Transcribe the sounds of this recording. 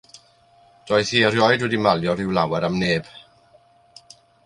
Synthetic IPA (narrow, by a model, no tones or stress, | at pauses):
t͡ɕɔjsiɾjɔjdudimaljɔɾiwla̰waɾamneːp̚ʰ